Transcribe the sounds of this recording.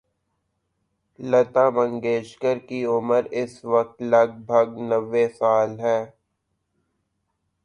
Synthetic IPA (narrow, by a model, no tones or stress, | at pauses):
lɐt̪aːbə̃ŋɡeːʃkəɾkiʊməɾɪsʋɐk̚t̪lɐɡ̚bʱɐɡnɐʋːesaːlɦɛː